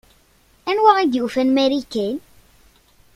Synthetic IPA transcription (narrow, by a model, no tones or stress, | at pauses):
ænwaʁid̪jufænmæɾikæn